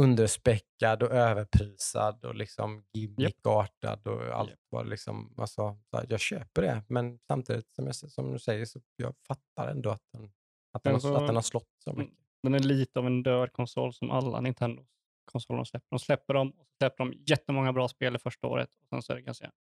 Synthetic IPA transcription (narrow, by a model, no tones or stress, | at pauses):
ɵnd̪əʂpɛkːad̪ɔʔøːvəɾpʰɾiːsad̪ɔ̰lɪksɔmɡɪmːɪkɑːʈa̰d̪ɔ̰a̰lt̪vɑ̰ːɾlɪksɔ̰ma̰lsɔsjɑːɡɕøːpəɖɛmɛnsamt̪ʰiːd̪ɪt̪sɔmjɑsɔmd̪ɵsɛjːəʂɔjɑ̰ːfat̪ːaɾɛnd̪ɔat̪̚d̪ɛn | at̪̚d̪ɛnsɔat̪ɛnhaɾʂlɔt̪ːsɔ̰mʏkːəd̪ɛnæɭiːt̪əavɛnd̪øːɖkʰɔnsɔ̰lːsɔmʔa̰lːa̰nɪnt̪ʰɛnd̪ʊ | kʰɔnsɔlːənslɛpːəɖɔmslɛpːəɖɔmɔsɔ̥slɛpːəɖɔmjɛt̪ːəmɔŋːabɾɑːspeːlɪfœʂʈao̰ːɾə̰t̪ɔsɛ̰nsɔɛ̰ɾɛkasɛ̰a